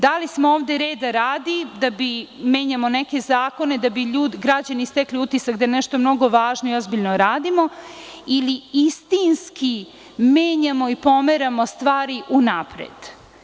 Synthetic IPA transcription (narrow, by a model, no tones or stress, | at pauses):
d̪alismooːvd̪eɾe̞ːd̪aɾaːd̪id̪abime̞ːɲamo̞neke̞zaːko̞ne̞d̪abiʎuːd̪iɡɾad͡ʑanist̪ekliut̪isakd̪ajenɛʃt̪o̞mno̞ɡo̞ʋaːʒnoio̞zbiʎnoɾaːd̪imo̞iliist̪inski | meːɲamo̞ipo̞meɾamo̞st̪ʋaːɾiʔunapɾḛd̪̥